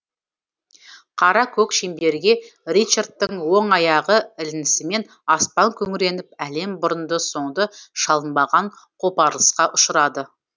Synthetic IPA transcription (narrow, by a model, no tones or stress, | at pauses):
qʰɑɾɑkʲʰɵkʃembe̞ɾɡʲe̞rit͡ʃart̪tːəŋwo̞ɴɑjɑʁəɪlɪnɪsɪme̞n | ɑspɑŋkʲʰɵŋɪɾe̞nɪp̚æle̞mbʊɾənd̪əso̞ɴd̪əʃɑlˠənbɑʁɑɴqʰo̞pɑɾlˠəsqɑʔʊʃəɾɑd̪ə